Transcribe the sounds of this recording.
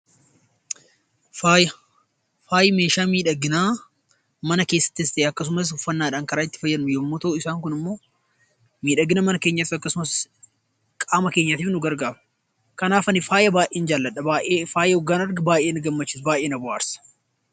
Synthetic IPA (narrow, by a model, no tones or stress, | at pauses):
faːj | faːjɪme̞ːʃaːmiːᶑɐɡːɪnaː | mɐnɐke̞ːsːɐ̥t̪ːɪɪst̪eːɐkːɐs̬ʊmɐs̬ʊfːɐnːaːᶑaːŋkɐɾaːɪt̪ːɪ̥fɐjːɐnːʊjomːɔt̪ɐɪsaːŋkʊnɪmːo̞ː | miːᶑɐɡɪnɐmɐnɐkeːɲːɐt̪ɪɐkːɐsʊmɐs | kʼaːmɐke̞ːɲːɐt̪iːfnʊɡɐɾɡaːbʊ̥ | kɐnaːfɐnːɪfaːjɐbaːʔeːnd͡ʒaːlːɐᶑɐbaːʔeːfaːjɐɔɡːaːnɐɾɡɐbaːʔe̞ːnɡɐmːɐt͡ʃːɪsbaːʔeːnɐbʊʔaːɾsɐ̥